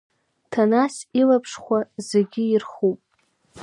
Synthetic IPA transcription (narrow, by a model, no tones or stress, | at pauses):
tʰanasilapʰʂχʷazeɡʲɪirχupʼ